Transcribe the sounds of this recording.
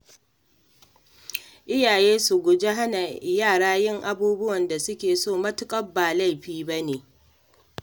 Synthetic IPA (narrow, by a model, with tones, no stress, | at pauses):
ʔɪ˦jaː˨jeː˦su˨ɡʷʊ˨d͡ʒe˦ɦa˦na˨jaː˦˨ɽaː˦jɪ˦ŋʔa˨buː˦bʊ˦wɐ˨nda˨sʊ˦kʲeː˨soː˦˨mɐ˦tʊ˦kʼɐ˦bːaː˨la˦jɸiː˦ba˦neː˨